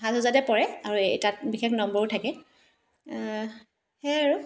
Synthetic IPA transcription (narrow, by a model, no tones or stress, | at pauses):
ɦatɦɔzadɛpɔɹɛaɹuejtat̚bixeknɔmbɔɹutʰakɛ | hɛaɹu